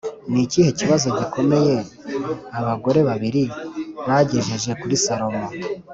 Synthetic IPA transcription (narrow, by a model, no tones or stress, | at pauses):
niciːhe̞ciβazo̞ɟiko̞me̞je̞ | aβaɡo̞ɾe̞βaβiɾiβaɟe̞ʒe̞ʒe̞kuɾisaɾo̞mo